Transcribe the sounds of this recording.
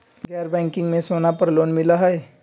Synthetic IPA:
ɡɛɾbɛ̃ŋkiŋɡmẽsonapəɾlonmilaɦaj

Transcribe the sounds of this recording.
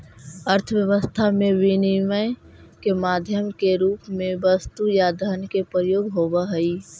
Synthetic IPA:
əɾt̪ʰəwjəʋəst̪ʰamẽʋiniməj | kemaːd̪ʱjəmkeɾuːpmẽbəst̪ujad̪ʱəɾnkepɾəjoːɡɦobaɦɛi

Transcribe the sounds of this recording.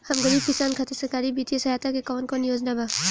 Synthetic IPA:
hɐmɡəɾiːb̚kɪsaːnkʰat̪esɐkaːɾibiːt̪ijəsɐɦaːt̪akekɔːnkonijoːd͡ʒnaba

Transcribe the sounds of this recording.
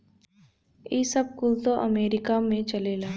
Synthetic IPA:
iːsəb̚kʊlt̪oʔɐmeːɾɪkamẽt͡ʃɐlelaː

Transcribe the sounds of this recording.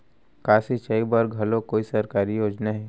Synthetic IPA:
kaːsit͡ʃɐibɐɾɡʱɦɐlokoːisɐɾkaːɾijoːd͡ʒnaɦɛː

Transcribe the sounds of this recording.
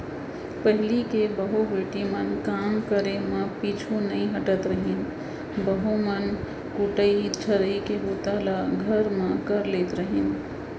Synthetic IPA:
pəɦɪlikebəɦubeːʈimənkaːmkəɾemə̃pit͡ʃʰunəĩɦəʈət̪ɾəɦin | bəɦumən | kuʈəit͡ʃʰəɾəikeɡut̪alaɡʱəɾmẽkəɾleːt̪ɾəɦin

